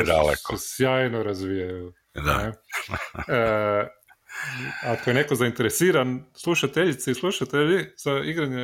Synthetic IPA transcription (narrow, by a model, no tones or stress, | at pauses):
d̪a̰lḛkesjaːjnoɾazʋijaju | d̪a̰ne | akoje̞nekozaint̪eɾesiːɾanslˠuʃat̪eʎit̪seislˠuʃat̪eʎiz̥aiɡɾaɲe